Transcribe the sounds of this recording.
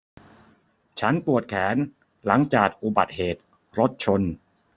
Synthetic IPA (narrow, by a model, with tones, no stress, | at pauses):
t͡ɕʰa˦˥npu˨˩ət̪̚kʰɛː˩˦n | la˩˦ŋt͡ɕaː˨˩k̚ʔu˨˧˩ba̰˨˩t̪̚heː˨˩t̪̚ | ɾo˦˥t̪̚t͡ɕʰo˧n